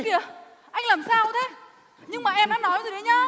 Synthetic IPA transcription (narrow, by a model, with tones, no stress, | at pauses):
vi˨˩ə | ʔa˧jŋ̟laː˨˩msaː˧wt̪ʰe˨˦ | ɲɨ˧ŋmaː˨˩ʔɛ˧mɗaː˨˥nɔ˨˦jzo˨˩ə˨˦jɲaː˧